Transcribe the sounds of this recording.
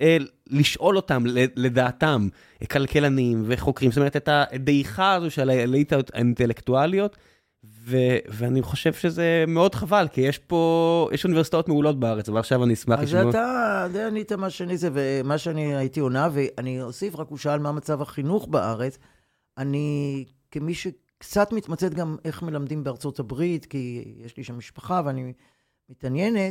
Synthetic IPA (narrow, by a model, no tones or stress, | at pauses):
eliʃʔo̞lo̞tamele̞d̪aːtam | kalkelanimveχo̞kʁimzotomeet̪et̪aʔed̪eiχaːzoʃelalejt̪at̪a̰inte̞lektualio̞t̪ | veveaniχo̞ʃev̥ʃezemeo̞dχavalkijeʃpo̞jʔeʃunivesit̪aot̪meulo̞t̚baaʁet͡svalaχʃavaniismaχizʃaotadejanit̪amaʃeanizevemaʃeaniajitio̞naveʔaniosifʁakuʃaːlmamat͡savaχinuχbaʔaʁe̞t͡s | ani | kemiʃe | kt͡satmit̪mat͡se̞t̪ɡame̞χme̞lamd̪imbeaʁt͡so̞thabʁitkijeʃliʃamːiʃpaχaveani | mitanje̞net